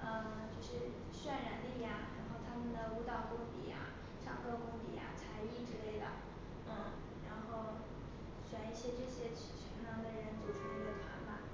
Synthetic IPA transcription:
ə˥˧ | t͡ɕjo˥˧ʊʂɻ̩˥˩ | ɕɥɛ˥˩nɻa˧˥nli˥˩ja˩ɻa˧˥nxo˥˩ʊt̪ʰa˥mə˨nd̪ə˩u˧˥t̪ɑ˨˩ʊkʊ˥ŋt̪ḭ˨˩ja̰˩ | ʈ͡ʂʰɑ̰˨˩ŋkɤ˥˧kʊ˥ŋt̪ḭ˨˩ja̰˨˩t͡sʰa˧˥ɪi˥˩ʈ͡ʂɻ̩˥le˥˩ɪd̪ə̰˩ | n̩˥˩ | ɻa˧˥nxo˥˩ʊ | ɕɥa˨˩ni˥˩ɕjɛ˥ʈ͡ʂɤ˥˩ɕjɛ˥˩ʈ͡ʂʰi˧˥ŋnɑ˧˥ŋd̪ə˧ɻə˧˥nt͡su˨˩ʈ͡ʂʰu˧˥i˧˥ɡə˧t̪ʰwa̰˧˥nba˧

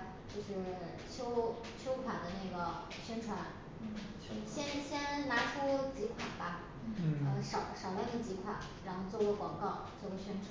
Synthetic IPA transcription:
t͡ɕjo˥˧ʊʂɻ̩˥˩ | t͡ɕʰjo˥ʊ | t͡ɕʰjo˥ʊkʰwa˨˩d̪ə˦ne˥˩ɡə˩ | ɕɥɛ˥nʈ͡ʂʰwa˧˥n˥˩˥ | ɕjɛ˥nɕjɛ˥nna˧˥ʈ͡ʂʰu˥t͡ɕi˧˥kʰwa˨˩ba˧˩ | ə˧˩ʂɑ˨˩ʊʂɑ˨˩ʊlə˧˥ni˥˩t͡ɕi˧˥kʰwa̰˨˩˦n | ɻa˧˥nxo˥˧ʊt͡swɔ˥˩we˧˥kwɑ˨˩ŋkɑ˥˩ʊt͡swɔ˥˩wɪɕɥɛ˥nʈ͡ʂʰw

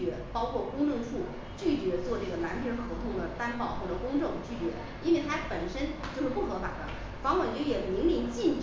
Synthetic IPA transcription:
ɥɛ˧˥pɑ˥ʊkʰwɔ˥˩kʊ˥ŋʈ͡ʂɤ˥˧ŋʂu˥˩ | t͡ɕy˥˩t͡ɕɥɛ˧˥t͡swɔ˥˧ʈ͡ʂɤ˥˩ɡə˩la˧˥npʰjɛ˧˥xɤ˧˥t̪ʰʊ˥˩ŋd̪ə˩t̪a˥npɑ˥˧ʊxwɔ˥˩ʈ͡ʂə˨˩kʊ˥ŋʈ͡ʂʊ˥˧ŋt͡ɕy˥˩t͡ɕɥɛ̰˧˥ | i˥nwe˥˩ɪt̪ʰa˥pə˨˩nʂə˥nt͡ɕjo˥˧ʊʂɻ̩˥pu˥˩xɤ˧˥fa˨˩d̪ə̰˦ | fɑ˧˥ŋxwɑ˨˩t͡ɕɥɛ˧˥jɛ˨˩mi˧˥ŋli˧˥ŋt͡ɕi˥˩nʈ͡ʂ

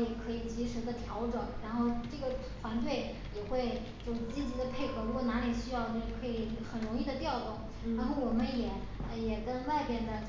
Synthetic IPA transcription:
i˨˩kʰɤ˧˥i˨˩t͡ɕi˧˥ʂɻ̩˧˥d̪ə˧t̪ʰjɑ˧˥ʊʈ͡ʂwə˨˩˦nɻa˧˥nxo˥˧ʊʈ͡ʂɤ˥˩ɡə˩ | fwa˧˥nt̪̬we˥˩ɪ | jɛ˨˩xwe˥˩ɪ | t͡ɕjo˥˧ʊʂt͡ɕi˥t͡ɕi˧˥d̪ə˧pʰe˥˩ɪkʰɤ˨˩ɻu˧˥kwɔ˨˩na˧˥li˨˩ɕy˥jɑ˥˧ʊn˥˧˩kʰɤ˧˥i˨˩xə˨˩nɻʊ˧˥ŋi˥˩d̪ə˩t̪jɑ˥˩ʊt̪ʊ˥˩ŋ | ɻa˧˥nxo˥˩ʊwɔ˨˩mə˦njɛ˨˩˧ | jɛ˨˩kə˥nwa˥˧ɪpjɛ˥˩nd̪ə˩

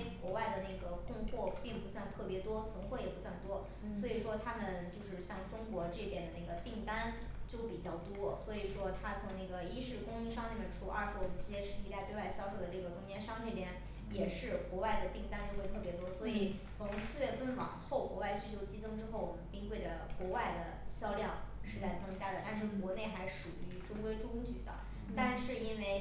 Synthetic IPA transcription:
kwɔ˧˥wa˥˩ɪd̪ə˩ne˥˩ɪɡə˩kʊ˥˧ŋxwɔ˥˧pi˥˩ŋpu˧˥swa˥˧nt̪ʰɤ˥˩pjɛ˧˥t̪wɔ˥t͡sʰɤ˧˥ŋxwə˥˩jɛ˨˩pu˧˥swa˥˩nt̪wɔ˥ | swɔ˧˥i˨˩ʂwɔ˥t̪ʰa˥mə˨nt͡ɕjo˥˧ʊʂɻ̩˥˧ɕjɑ˥˩ŋʈ͡ʂʊ˥ŋkwɔ˧˥ʈ͡ʂɤ˥˩pjɛ˥˩nd̪ə˩na˥˩ɡə˩t̪i˥˩ŋt̪a˥nt͡ɕjo˥˧ʊpi˨˩t͡ɕjɑ˥˩ʊt̪wɔ˥swɔ˧˥i˨˩ʂwɔ˥t̪ʰa˥t͡sʰʊ˧˥ŋne˥˩ɡə˩i˥ʂɻ̩˥˩kʊ˥ŋi˥ʂɑ˥ŋne˥˩pə˨˩ʈ͡ʂʰu˥˩ʔɐ̰ə̰˞˧ʂɻ̩˧˥wɔ˨˩mə˧˥nʈ͡ʂɻ̩˧˥t͡ɕjɛ˥ʂɻ̩˥˩i˧˥t̪a˥˧t̪we˥˧a˥˧ɪɕjɑ˥˧ʊʂo˧˩ʊd̪ə˩ʈ͡ʂɤ˥˩ɡə˩t̪ʰʊ˧˥ŋjɛ˧˥nʂɑ˥ŋʈ͡ʂɤ˥˩pjɛ˥n | jɛ˨˩ʂɻ̩˥˩kwɔ˧˥wa˥˩ɪd̪ə˩pi˥˩ŋt̪a˥nt͡ɕo˥˧ʊxe˥˧ɪt̪ʰɤ˥˩pjɛ˧˥t̪wɔ˥swɔ˧˥i˨˩ | t͡sʰʊ˧˥ŋsɹ̩˥˧ɥɛ˥˩fə˥nwɑ̰˨˩ŋxo˥˩ʊkwɔ˧˥wa˥˧ɪɕy˥˧˩t͡ɕjo˥˧ʊt͡ɕi˥t͡sʰɤ˥ŋʈ͡ʂɻ̩˥xo˥˩ʊwɔ˨˩mə˦npi˥ŋkwe˥˩ɪd̪ə˩kwɔ˧˥wa˥˩ɪd̪ə̰˩ɕjɑ˥ʊljɑ˥˩ŋʂɻ̩˥˧t͡sa˥˩ɪt͡sɤ˥ŋt͡ɕja˥d̪ə˨˩t̪a˥˧nʂ̬ɻ̩˥˩kwɔ˧˥ne˥˩ɪxa˧˥ɪʂu˨˩y˧˥ʈ͡ʂʊ˥kwe˥ɪʈ͡ʂʊ˥kʊ˥ŋt͡ɕy̰˨˩d̪ə̰˧˦ | t̪a˥˧nʂɻ̩˥˩i˥nwe˥˩ɪ

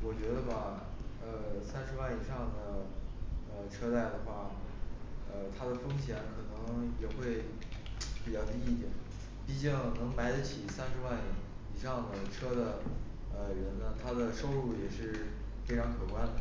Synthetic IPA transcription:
wɔ˨˩t͡ɕɥɛ˧˥d̪ə˧ba˨˩ | ə˧sa˥nʂɻ̩˧˥wa˥˩ni˨˩ʂɑ˥˩ŋd̪ə˩ | ə˧ʈ͡ʂʰɤ˥t͡sa˥˩ɪd̪ə˩xwa˥˩ | ə˧t̪ʰa˥d̪ə˨fɤ˥ŋɕjɛ˧˥nkʰɤ˨˩nɤ˧˥ŋjɛ˨˩xwe˥˩ɪ | pi˨˩t͡ɕjɑ˥˧ʊt̪i˥˧˥i˥˩t̪jɛ̰˨˩˦n | pi˥˧t͡ɕi˥˩ŋnɤ˧˥ŋma˧˥ɪd͡zə˧t͡ɕʰi˨˩sa˥nʂɻ̩˧˥wa˥˩n | i˨˩ʂɑ˥˩ŋd̪ə˩ʈ͡ʂʰɤ˥d̪ə˨ | ə˧ɻə˧˥nnə˧t̪ʰa˥d̪ə˨ʂo˥ʊɻu˥˩jɛ˨˩ʂɻ̩˥˩ | fe˥ɪʈ͡ʂʰɑ˧˥ŋkʰɤ˨˩kwa˥n

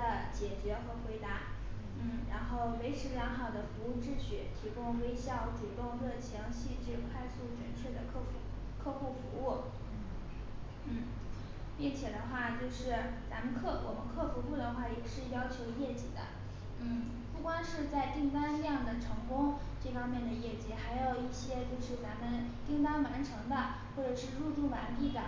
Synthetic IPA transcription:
ə˧t͡ɕjɛ˨˩t͡ɕɥɛ˧˥xɤ˧˥xwe˧˥ɪt̪a˥˩ | n̩˥˩ɻa̰˧˥nxo˥˩ʊwe˧˥ɪʈ͡ʂʰɻ̩˧˥ljɑ˧˥ŋxɑ˨˩ʊd̪ə˦fu˧˥u˥˩ʈ͡ʂɻ̩˥ɕɥɛ˧˥t̪ʰi˧˥kʊ˥ŋwe˥ɪɕjɑ˥˩ʊʈ͡ʂu˨˩t̪ʊ˥˧ŋlɤ˥˩t͡ɕʰjɑ˧˥ŋɕi˥˧ʈ͡ʂɻ̩˥˩kʰwa˥˧ɪsu˥˩t͡ɕɥɛ̰˧˥nt͡ɕʰɥɛ˥˩d̪ə˩kʰɤ˥˩˥ | kʰɤ˥˧xu˥˩fṵ˧˥u˥˩ | n̩˥˩ | pi˥˩ŋt͡ɕʰjɛ˨˩d̪ə˦xwa˥˩t͡ɕjo˥˧ʊʂɻ̩˥˩t͡sa̰˧˥mə˧nkʰɤ˥˩wʔɔ˨˩mə˧˦nkʰɤ˥˩fu˧˥xu˥˩d̪ə˩xwa˥˩jɛ˨˩ʂɻ̩˥˩jɑ˥ʊt͡ɕʰjo˧˥ʊjɛ˥˩t͡ɕḭ˨˩d̪ə̰˦ | n̩˥˩ | pu˥˩kwɑ˥nʂɻ̩˥˧t͡sa˥˧ɪt̪i˥˩ŋt̪a˥ni˥jɑ˥˩ŋd̪ə˩ʈ͡ʂʰɤ˧˥ŋkʊ˥ŋ | ʈ͡ʂɤ˥˩fɑ˥ŋmjɛ˥˩nd̪ə˩jɛ˥˩t͡ɕi˧˥xa˧˥ɪjo˨˩ʊi˥˩ɕjɛ˥t͡ɕjo˥˧ʊʂɻ̩˥˩t͡sa˧˥mə˧nt̪i˥˧ŋt̪ɑ˥ŋma˧˥nʈ͡ʂʰɤ˧˥ŋd̪ə˧ | xwɔ˥˩ʈ͡ʂɤ˨˩ʂɻ̩˥˧ɻu˥˧t̪u˥˩ma˧˥npʰi˥˩d̪ə̰˩˦

